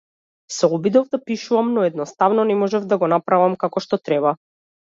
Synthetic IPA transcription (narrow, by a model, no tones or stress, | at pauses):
sɛɔbid̪ɔvd̪apiʃuvamnɔɛd̪nɔst̪avnɔnɛmɔʒɛvd̪aɡɔnapɾavamkakɔʃt̪ɔt̪ɾɛba